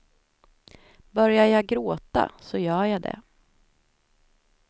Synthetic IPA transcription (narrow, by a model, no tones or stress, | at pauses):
bœɾjaɾjaɡɾoːt̪a̰sɔjœːɾjad̪ɛ̰